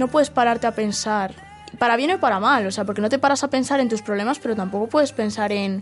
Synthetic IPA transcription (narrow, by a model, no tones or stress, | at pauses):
no̞pwe̞ðe̞spaɾaɾt̪e̞ape̞nsaɾ | ipaɾaβje̞nopaɾamalo̞se̞ap̬o̞ɾke̞no̞t̪e̞paɾasape̞nsaɾe̞nt̪uspɾoβ̞le̞maspe̞ɾo̞t̪ampo̞ko̞pweðe̞spe̞nsaɾe̞n